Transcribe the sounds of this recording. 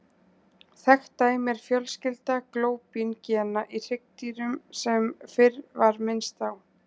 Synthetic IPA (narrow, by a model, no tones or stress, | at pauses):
θɛxt̪ːaːjmɛɾ̥fjœlscɪlt̪akloːwpincɛnaʔir̥ɪk̚t̪iɾʏmsɛmfɪrvaɾmɪnst̪aw